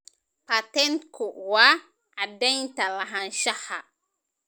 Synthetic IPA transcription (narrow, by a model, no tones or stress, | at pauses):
pat̪ɛntkuwa | ʔadajtalaɦanʃaha